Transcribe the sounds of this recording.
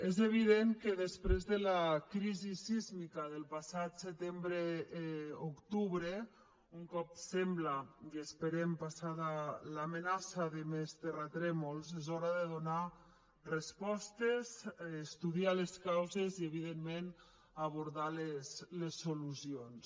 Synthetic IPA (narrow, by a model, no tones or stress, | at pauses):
ezeβ̞iðeŋkəðespɾezðəlakɾizisizmikaðelˠpasat̪set̪embɾe | okt̪uβɾe | uŋkɔp̚sɛmblakespeɾempasaðalamenasaðemest̪erat̪ɾɛmolˠzezɔɾaðeðuna | respɔst̪ezːst̪uðialeskawzezieβiðemːen | aβuɾðaleslesːoluzions